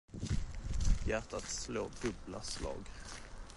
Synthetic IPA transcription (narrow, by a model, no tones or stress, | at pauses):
jæʈ̪at̪sloːdɵblaslɑ̰ːɡ